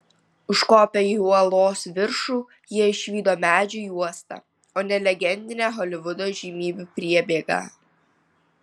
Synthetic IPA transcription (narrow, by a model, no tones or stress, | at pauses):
ʊʃkoːpʲɛiɔlˠoːsʋʲɪɾʃuː | jiɛɪʃʲʋʲiːd̪oːmʲæːd͡ʒʲujuɔst̪ɑ̰ | oːnʲɛlʲɛɡʲɛnʲd̪ʲɪnʲæːɦɔlʲɪʋʊd̪oːʒʲiːmʲiːbʲupʲɾʲiɛbʲeːɡɑ̰ː